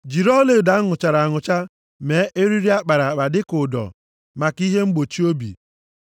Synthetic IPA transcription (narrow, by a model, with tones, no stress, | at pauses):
d͡ʒi˨ɾɔ˦le˨da˨˦ŋʊ˨t͡ʃa˨ɾa˨ŋʊ˨t͡ʃa˦ | me˨˦ʔe˦ɾi˦ɾi˦a˦k͡pa˨ɾa˨k͡pa˨dɪ˦kʊ˨dɔ̰˨ | ma˨ki˦ɦe˦ŋ͡m̩˦ɡ͡bo˨t͡ʃi˦o˦bḭ˨